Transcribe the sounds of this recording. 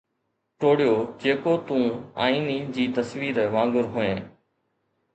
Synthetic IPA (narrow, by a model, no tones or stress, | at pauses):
ʈoːɽijoːd͡ʑeːkoːt̪ũːa̰ːiːnid͡ʑiːt̪əsʋiːɾʋãːŋɡʊɾɦʊẽː